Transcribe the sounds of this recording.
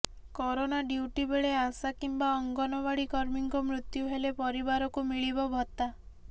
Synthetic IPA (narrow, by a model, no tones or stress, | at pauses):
kɔɾonaɖuwʈibeɭeasakimbaɔŋɡɔnɔbaɽikɔɾmiŋkɔmɾut̪juɦelepɔɾibaɾɔkumiɭibɔbʱɔt̪a